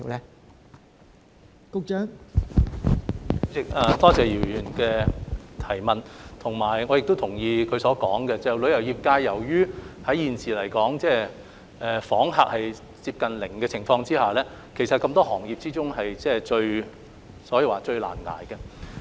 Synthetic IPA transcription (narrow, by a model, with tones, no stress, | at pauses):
i˨˩wlɛ˥ | kʊ˧k̚t͡ʃœː˨˥ŋ˥ | ɪ˨k̚ɐː˨˩t̪ɔː˥t͡sɛː˨jiː˨˩wjyː˨˩nkɛː˧t̪ʰɐ˨˩jmɐ˨nt̪ʰʊ˨˩ŋmaː˨˩jŋɔː˨˧jɪ˨k̚t̪o˥t̪ʰʊ˨˩ŋjiː˧kʰɵ˨˧ɥsɔː˨˥kɔː˨˥ŋkɛ˧t͡sɛ˨wlɵ˨˧ɥjɐ˨˩wjiː˨p̚kaː˧jːɐ˨˩wjyː˥hɐ˨˥jjiː˨˧nsiː˨˩lɐ˨˩jkɔː˨˥ŋt͡sɛː˥˩ | ʔɛː˨˩fɔː˨˥ŋɦaː˨k̚hɐ˨j | t͡siː˧p̚kɐ˨nlɪ˨˩ŋkɛː˧t͡sʰɪ˨˩ŋfɔː˧ŋt͡siː˥haː˨˩lɛː˥ | kʰe˨˩jsɐ˨t̚kɐ˧mt̪ɔː˥hɔː˨˩ŋjiː˨p̚t͡siː˥t͡sʊ˥ŋɦɐ˨jt͡sɛː˥˩t͡ʃɵ˧ɥ | sɔː˨˥jiː˨˧waː˨˩t͡ʃɵ˧ɥla̰ː˨˩nŋa̰ː˨˩jkɛ˧